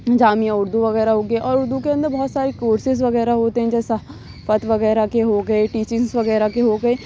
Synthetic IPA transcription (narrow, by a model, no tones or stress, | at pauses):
d͡ʒaːmijãʊɾd̪uʋɐɣɛːɾaɦoːɡeʔɔːɾʊɾd̪ukeɐ̃nd̪əɾbɔːt̪saːɾekoːɾsɪzʋɐɣɛːɾaɦoːt̪eɦɛ̃d͡ʒɛːsa | pət̪ʋɐɣɛːɾakeɦoːɡɐeʈiːt͡ʃɪ̃ŋsʋɐɣɛːɾakeɦoɡɐeː